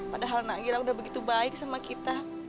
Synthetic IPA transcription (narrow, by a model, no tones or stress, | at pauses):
padaɦalnaɡilaundahbəɡit̪ubaɪk̚samakit̪a